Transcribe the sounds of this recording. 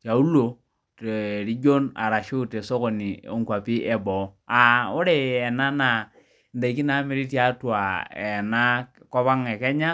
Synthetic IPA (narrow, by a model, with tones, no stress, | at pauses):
t͡ʃa˨u˦lo˨ | te˨ɾi˦d͡ʒo˦na̰˨ɾa˨ʃɪ˦˨te˨so˦ko˨ni˨o˦ŋ˦kwa˨pi˦ʔɛ˦bɔ˨˦a˨ʊ˦ɾe˦˨ɛ˨na˦na˨ | nda˨i˨˦ki˦na˨˦mɪ˦ɾi˦ti˦a˨˦twa˨ɛ̰˨na˦kɔ˦βa˦ŋɛ˨kɛ˦ɲa˦